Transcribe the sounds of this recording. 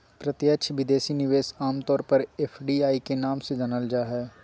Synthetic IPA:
pɾɐt̪jətːʃʰʋɪd̪eːsinɪʋeːsaːmt̪ɔːɾpɐɾepʰɖiaːikenaːmsed͡ʒɐnəld͡ʒaːɦɛː

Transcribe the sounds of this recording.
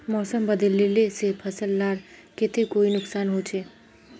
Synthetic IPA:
mɔːsəmbəd̪əlːelesepʰɐsəlːaːɾkɪt̪ekoːinʊksaːnɦoːt͡ʃʰeː

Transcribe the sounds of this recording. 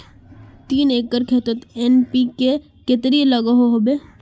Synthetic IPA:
t̪iːneːkːəɾkʰeːt̪ət̪enpike | ket̪ɾiləɡaɦoɦobeː

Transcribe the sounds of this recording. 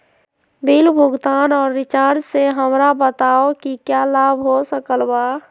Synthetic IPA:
bʱilbʱʊɡt̪anɔːɾːɪt͡ʃaɾseɦəmɾabət̪aokikjalabʱɦosəkəlba

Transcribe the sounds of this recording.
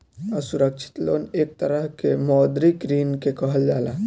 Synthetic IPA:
əsuɾək̚t͡ʃʰi̥t̪loneːk̚t̪əɾəɦkemɔːd̪ɾikɾiːnkekəɦəld͡ʒaːlã

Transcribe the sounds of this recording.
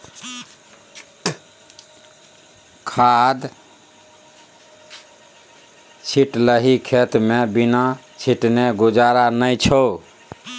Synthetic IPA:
kʰad̪ | t͡ʃʰiʈləɦikʰet̪mebina | t͡ʃʰiʈneɡud͡ʒaɾanəjt͡ʃʰə

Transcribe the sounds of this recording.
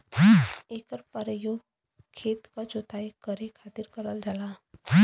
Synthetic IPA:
eːkəɾpəɾəjoːɡ | kʰeːt̪kad͡ʒoːt̪aːikəɾekʰaːt̪ɪɾkəɾəld͡ʒalaː

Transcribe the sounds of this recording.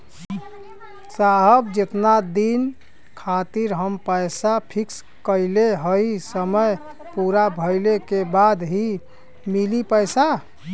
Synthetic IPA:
saɦəbd͡ʒet̪nad̪in | kʰat̪iɾɦəmpəjsapʰiks | kəɪleɦəisəməj | puɾabʱəɪlekebad̪ɦi | milipəjsa

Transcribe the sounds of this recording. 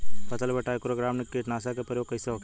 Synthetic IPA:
pɐt̪əlbəʈaːekɾoɡɾaːmnekːeʈnaːsakepəɾjoːɡ̚kəjseʋk

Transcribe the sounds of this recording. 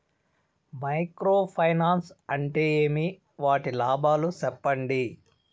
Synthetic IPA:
mɐjkɾoːpʰɐjnaːnsɐɳʈeːeːmi | ʋaːʈilaːbʱaːlusɛpːɐɳɖi

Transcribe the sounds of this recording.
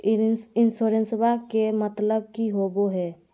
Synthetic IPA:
ɪnsoɾensbakemət̪ləb̚kiɦoboɦɛː

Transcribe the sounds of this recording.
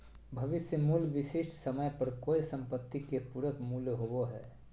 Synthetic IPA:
bʱɐʋɪsjəmuːlʋɪʃɪʃʈʰsɐməjpɐɾkoːisɐ̃mpət̪ːikepuɾəkmuːljɦowoɦɛ̰ː

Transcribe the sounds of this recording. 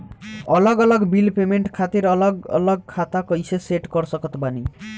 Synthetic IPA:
ʌlʌɡʌlʌɡbilpemeɳʈkʰat̪iɾʌlʌɡʌ̰lʌɡ̚kʰat̪akʌjsʰeseʈɡʌɾsʌkʌt̪bani

